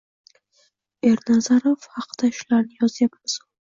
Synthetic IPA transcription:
e̞ɾnazaɾofhɑqd̪̥aʃʊlaɾnɪjɒzjapmɪzʊ

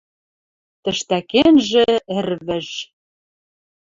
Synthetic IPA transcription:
t̪ə̆ʃt̪ækenʒĕɘ̆rβɘ̆ʒ

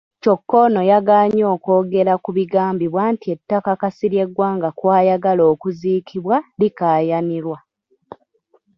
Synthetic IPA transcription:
co̞kːo̞no̞jaɡaːɲo̞ːkoːɡe̞ɾakuβiɡaːmbiβwaːntie̞tːakakasiɾje̞ɡwaːŋɡakwaːjaɡalo̞ːkuziːkʰiβwalikaːjaniɾwa

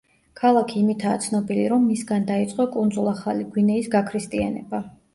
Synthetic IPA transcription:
kʰalˠakʰiːmit̪ʰaːt̪sʰnɔbiliɾɔmːisɡand̪ait̪sʼqʼɔkʼund̪zulˠaχaliɡwinɛisɡakʰɾist̪ʼia̰nɛ̰ba

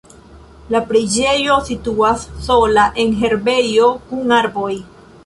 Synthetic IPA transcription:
lapɾed͡ʒe̞jo̞situasːo̞laʔe̞nɦe̞ɾbe̞jo̞kuŋaɾbo̞j

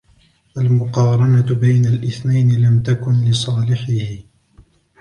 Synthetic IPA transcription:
ʔalmʊqɑːɾˤɑnabajnalʔɪθnajnɪlamt̪akʊnlɪsˤɑːlɪħɪhɪ

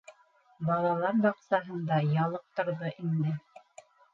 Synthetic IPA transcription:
bɑlˠɑlˠɑɾbɑqsɑɦɤnd̪ɑjɑlˠɤp̚t̪ŏɾðɤʔind̪ɘ

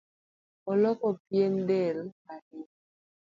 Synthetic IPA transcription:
ɔlɔkɔpjendɛlaɾi

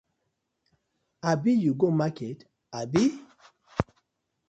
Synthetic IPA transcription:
abijuɡomaket | abi

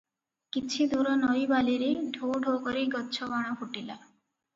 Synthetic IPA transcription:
kit͡ʃʰid̪uɾɔnɔjbaliɾeɖʱoɖʱokɔɾiɡɔtːt͡ʃʰɔbaɽ̃ɔfuʈila

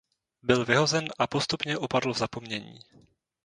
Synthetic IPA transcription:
bɪlvɪɦo̞zɛnʔapost̪upɲɛʔopadl̩vzapo̞mɲɛɲḭː

